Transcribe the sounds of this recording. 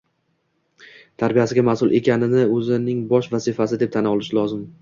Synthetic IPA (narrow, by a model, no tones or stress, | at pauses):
t̪ʰaɾbijasɪɡʲamasʊlˠʔe̞kʲʰanɪnɪɵzɪnɪŋbɒʃvazɪfasɪd̪et̪ʰanɒlˠɪʃɪlˠɒzɪm